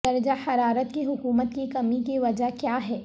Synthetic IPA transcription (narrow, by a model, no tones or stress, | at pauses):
ɐɾd͡ʒaħɐɾaːɾət̪kiɦʊkuːmət̪kikɐmikiʋɐd͡ʒakjaːɦɛː